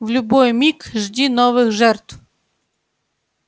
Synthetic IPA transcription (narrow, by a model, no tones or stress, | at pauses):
vlʲʊbɔjmʲikʐdʲinɔvɨxʐɛrt̪f